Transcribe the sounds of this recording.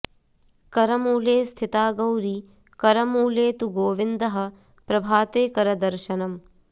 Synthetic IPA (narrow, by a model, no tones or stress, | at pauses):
kɐɾɐmuːleːst̪ʰit̪aːɡɐwɾi | kɐɾɐmuːleːt̪uɡoːʋind̪ɐɦɐ̆ | pɾɐbʱaːt̪eːkɐɾɐd̪ɐɾʃɐnɐm